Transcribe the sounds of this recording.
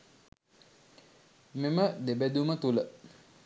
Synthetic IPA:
meməd̪ebæd̪umət̪ulə

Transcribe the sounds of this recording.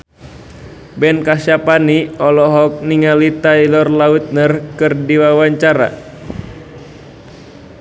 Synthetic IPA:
bɛnkaʃapaniɔlɔɦɔk̚niŋalit̪ailɔrlaut̪̚nərkɨrdiwawaɲt͡ʃaɾa̰

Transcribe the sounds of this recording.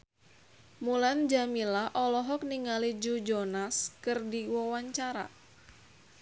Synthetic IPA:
muland͡ʒamilaʔɔlɔɦɔk̚niŋalid͡ʒud͡ʒɔnaskɨrdiwɔwaɲt͡ʃaɾa̰

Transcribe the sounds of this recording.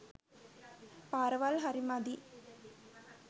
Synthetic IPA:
paːɾɐʋalɦɐɾimad̪i

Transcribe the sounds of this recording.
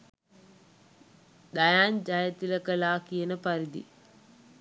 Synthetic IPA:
d̪ajaːɲd͡ʒajət̪iləkəlaːkijənəpaɾid̪ḭ

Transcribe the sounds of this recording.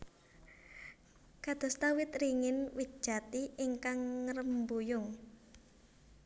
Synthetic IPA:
kad̪̥ɔ̤st̪awɪt̪riŋɪnwi̥ʒ̥a̤t̪iiŋkaŋːəɾəmbujʊŋ

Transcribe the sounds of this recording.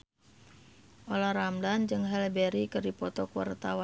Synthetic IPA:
ʔolahɾamdand͡ʒɨŋɦɛlbɛɾikɨrdipɔt̪ɔkuwa̰rt̪awa

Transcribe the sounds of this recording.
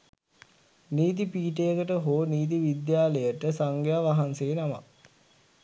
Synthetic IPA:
niːt̪̬ipiːʈejəkəʈəɦoːniːt̪̬iʋid̪jaːləjəʈəsaŋɡjaːʋaɦanseːnama̰

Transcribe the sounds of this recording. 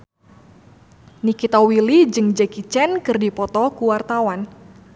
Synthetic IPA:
nikit̪awilid͡ʒɨŋd͡ʒɛkit͡ʃɛnkɨrdipɔt̪ɔkuwart̪awan

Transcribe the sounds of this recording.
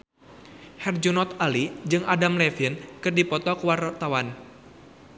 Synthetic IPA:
hɛrd͡ʒunɔt̪alid͡ʒɨŋʔadamlɛfinkɨrdipɔt̪ɔkəwart̪awan

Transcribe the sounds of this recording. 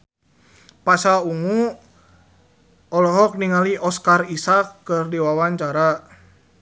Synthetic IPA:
pasauŋu | ɔlɔɦɔk̚niŋaliʔɔskarisakːɨrdiwawaɲt͡ʃaɾa

